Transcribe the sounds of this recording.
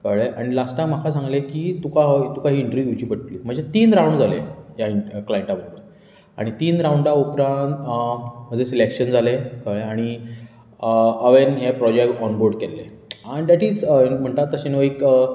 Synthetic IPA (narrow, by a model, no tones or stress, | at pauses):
kəɭeʔaɽ̃ilasʈam̤akʰasãŋɡlekiːt̪ukaɦt̪ukaɦiːɳʈɾijut͡ɕiːpəʈlim̤əɳd͡zet̪iːnɾãwɳɖd͡zalḛjaiklajeɳʈabəɾobəɾ | a̰ɽ̃it̪iːnɾawɳɖaupɾãnt̪m̤əd͡zesilekɕənd͡zalekəɭeaɽ̃i | əʋenɦepɾɔd͡ʑekʈɔnboɾɖkelːḛaid̪aʈiːd͡zm̤əɳʈ̪at̪əɕeneʋik